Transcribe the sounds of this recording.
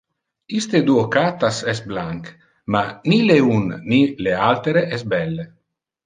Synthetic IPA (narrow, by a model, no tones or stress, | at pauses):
ist̪ed̪uokat̪asɛsblaŋk | manileunːilealt̪eɾeʔɛsbɛlːe